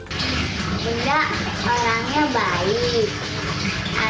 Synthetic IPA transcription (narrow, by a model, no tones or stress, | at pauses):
indaʔ | oɾaŋɲabaik̚ | ʔa̰